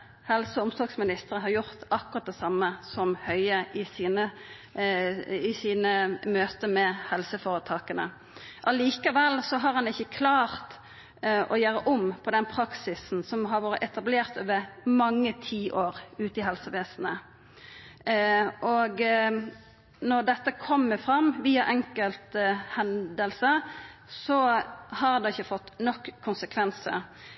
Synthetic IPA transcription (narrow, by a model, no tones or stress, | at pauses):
hɛlsəʊmsɔlɡsmɪnɪst̪əʁəɦɑɾjʊʁt̪ɑkʊʁɑt̪̚d̪ɛsɑmːəsɔmhœʏəʔɪsiːnə | ɪsiːnəmøːt̪əmɛhɛlsəfoːʁət̪ʰɑːkənə̰ | ʔɑliːkɑʋɛlːsɔɦɑɾhɑnɪçːəkʰlɑːʁt̪ | ʔɔjøːɾəʔʊmpʰɔd̪ɛnpʰɾɑksɪsn̩sɔmɦɑɾʋoːɾəɛt̪ɑbleːʁt̪o̰ːʋəɾmɑŋːət̪ʰiːʔoːɾʉːt̪əɪɦɛlsəʋeːsn̩ə | ʔɔɡ | nɔʁd̪ɛt̪ːəkʰɔmːəfɾɑmːʋiːɑʔɛŋkəlt̪hɛnd̪əlsəsɔhɑɾd̪ɛɪçːəfɔt̪ːnɔkːkʰːʊnsəkʰʋɛnsə̰